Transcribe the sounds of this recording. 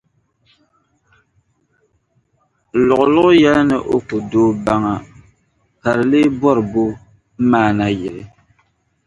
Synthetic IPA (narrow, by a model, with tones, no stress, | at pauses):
lʊ˨ɣʊ˨lʊ˦ɣʊ˦jɛ˦la˦nɨ˨ʔo˦kʊ˨doː˦ba˦ŋa˨ | pa˨ɾle˦bɔ˦ɾɨ˨bo˦ | maː˦˨na˨jɪ˨ɾɪ˨